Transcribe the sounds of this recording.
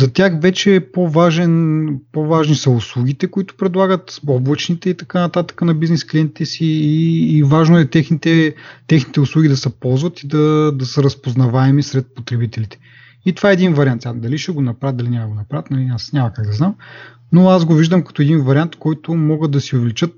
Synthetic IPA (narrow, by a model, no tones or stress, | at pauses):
zɐt̪ʲjaxvɛt͡ʃɛːpovaʒɛnpovaʒnisɐʊslˠuɡʲit̪ɛkʊit̪ʊ̥pɾɛd̪lˠaɡət̪ɔbvˠət͡ʃnit̪ɛit̪ɐkanɐt̪at̪ə̥kənɐbiznɛsklijɛnt̪i̥t̪ɛsiːvaʒnoɛt̪ɛxnit̪ɛt̪ɛxnit̪ɛʊslˠuɡʲid̪ɐsɛpɔlˠzvɐt̪id̪ɐd̪ɐsəɾɐspoznɐvaɛmisɾɛt̪̚pot̪ɾɛbit̪ɛlit̪ɛ̥ | it̪ov̥aɛːɛd̪invɐɾiant̪sʲad̪ɐliʃɛɡonɐpɾat̪d̪ɐlinʲamɐɡonɐpɾavət̪nɐliasnʲamɐkaɡd̪ɐznam | noazɡoviʒd̪əmkɐ̥t̪oɛd̪invɐɾʲiant̪kɔjt̪ʊmɔɡət̪d̪ɐsiʊvɛlit͡ʃɤt̪̚